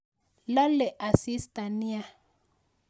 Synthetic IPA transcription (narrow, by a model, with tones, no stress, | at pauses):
la˦lɛ˨ʔa˨si˦sta˨ni˦a˨